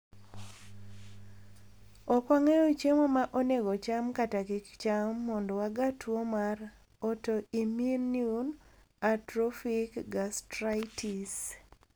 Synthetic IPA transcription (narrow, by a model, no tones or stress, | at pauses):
ɔkwaŋejot͡ʃemomaʔoneɡɔt͡ʃamkatakɪkt͡ʃamːɔndɔwaɡatwomar | ɔtoiminjun | atɾɔfikɡastɾajtis